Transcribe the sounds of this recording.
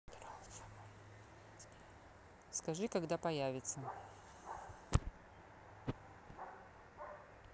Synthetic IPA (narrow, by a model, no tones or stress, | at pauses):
ɾalˠs | skɐʐɨkaɡd̪apɐjavʲɪt̪sə